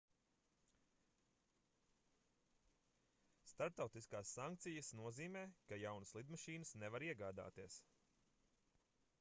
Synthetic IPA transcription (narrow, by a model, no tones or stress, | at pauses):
st̪aɾp̚t̪awt̪iskaːsːaŋk̚t̪sijəsnuɔziːmɛːkajawnəslˠid̪maʃiːnɨsnevaɾiɛɡaːd̪a̰ːt̪iɛs